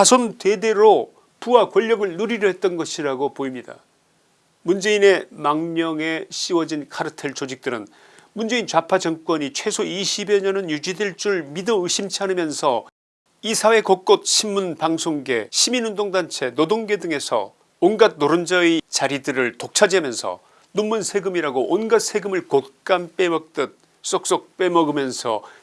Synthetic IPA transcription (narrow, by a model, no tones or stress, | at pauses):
asʰonte̞de̞ɾo | puwakwʌʎːʌɡɯɭnuɾiɾoɦet̚t͈ʌnɡʌɕʰiɾaɡopoimɲida̰ | mund͡ʑe̞ine̞maŋɲʌŋe̞ɕ͈iwʌd͡ʑinkʰaɾɯtʰeɭt͡ɕod͡ʑik̚t͈ɯɾɯn | mund͡ʑe̞int͡ɕapʰad͡ʑʌŋk͈wʌɲit͡ɕʰwe̞sʰoiɕʰibeɲʌnɯnjud͡ʑideɭt͡ɕ͈uɭmidʌɯɕʰimt͡ɕʰanɯmjʌnsʰʌ | isʰawe̞kok͈ot̚ɕʰimːunpaŋsʰoŋɡe̞̰ɕʰiminɯndoŋdant͡ɕʰe̞nodoŋɡe̞dɯŋe̞sʰʌ̰ | onɡad̚noɾɯnd͡ʑʌit͡ɕaɾidɯɾɯɭtok̚t͡ɕʰad͡ʑeamjʌnsʰʌ̰ | numːunsʰeɡɯmiɾaɡoʔːnɡat̚sʰe̞ɡɯmɯɭkot̚k͈anp͈e̞mʌk̚t͈ɯt̚ | s͈ok̚s͈ok̚p͈e̞mʌɡɯmjʌnsʰʌ̰